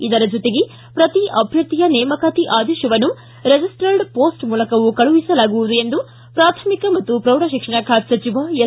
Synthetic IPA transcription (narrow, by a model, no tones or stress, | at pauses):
id̪ɐɾɐd͡ʒot̪eɡe | pɾɐt̪iʔɐbʱjɐɾt̪ːijɐnɛːmɐkaːt̪iʔaːd̪ɛːʃjɐʋɐnːu | ɾed͡ʒisʈɐɾɖpoːsʈmuːlɐkɐʋukɐɭuʋisɐlaːɡuʋud̪ue̞nd̪u | pɾaːt̪ʰɐmikɐmɐt̪ːupɾɐwɾɐʃikʂɐɳɐkʰaːt̪sɐt͡ʃiʋaje